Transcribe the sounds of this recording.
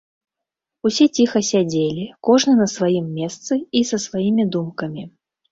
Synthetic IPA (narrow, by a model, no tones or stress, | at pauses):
usʲɛt͡sʲixɐsʲad͡zʲelʲikɔʐnɨnɐsvajimːʲɛst̪sɨisɐsvajimʲid̪umkɐmʲi